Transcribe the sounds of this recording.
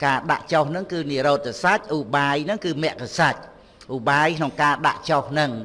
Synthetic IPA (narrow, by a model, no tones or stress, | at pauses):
kaːɗa̰ʔt͡ɕohnɨŋkɨːniəɾoːt̪̚ːasac̚ʔuːɓaːjnɨŋkɨːmɛ̆əʔkasac̚ | ʔuːɓaːjkʰnoŋkaːɗa̰ʔt͡ɕohnɨŋ